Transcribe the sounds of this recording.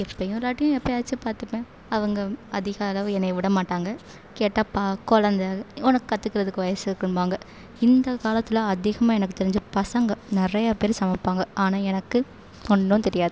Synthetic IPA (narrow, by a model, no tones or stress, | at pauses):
ɛpːɐjʊ̃laːʈːɪjʊ̃ɛpːɐjaːt͡ʃːɯpaːɾt̪ɯpẽː | ɐʋɐŋɡɐɐðɪɣɐɐlɐʋɯɛnːɐɪʋɪɽɐmaːʈːaːŋɡɐ | keːʈːaːpaːkɔɻɐnd̪aːɔnɐkːɯkɐt̪ːɯkːɪɾɐðɯkːɯʋɐjɐsɯkːɯnbaːŋɡɐ | ɪnd̪ɐkaːlɐt̪ːɪlɐ̃ɐðɪɣɐmaːɛnɐkːɯt̪ːɛɾɪɲd͡ʒɯpɐsɐŋɡɐnɪrɐjɐpeːɾsɐmɐpːaːŋɡɐaːnaːɛnɐkːɯ | kɔɳnõnt̪ɛɾɪjaːðɯ